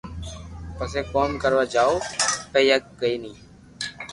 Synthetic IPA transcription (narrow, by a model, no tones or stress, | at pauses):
pəseːkoːmkəɾʋaːd͡ʒaːoːpəiːəkːəiːnĩː